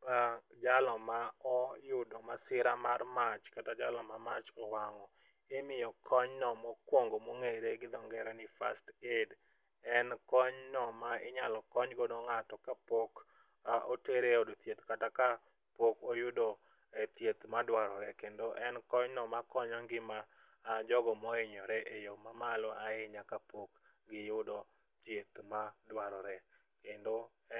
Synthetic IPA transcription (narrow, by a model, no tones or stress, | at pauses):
ad͡ʒalɔmaɔjʊdomasɪɾamarmat͡ʃkatad͡ʒalɔmamat͡ʃɔwaŋɔ | ɪmɪjɔkʰɔɲnɔmɔkwoŋɡomoŋeɾeɡɪd̪ɔŋɡɛɾɛnɪfasted | ɛnkɔɲnɔmaɪɲalɔkɔɲɡonoŋatɔkapok | ʔoteɾeodot̪jet̪kataka | pokojʊdo | ɛt̪jet̪madwaɾɔɾɛkendoʔɛnkɔɲnɔmakɔɲɔŋɡɪmaː | d͡ʒɔɡɔmɔɪɲɔɾɛʔejomamalɔaɪɲakapok | ɡɪjʊdɔ | t̪jet̪madwaɾɔɾɛ | kendo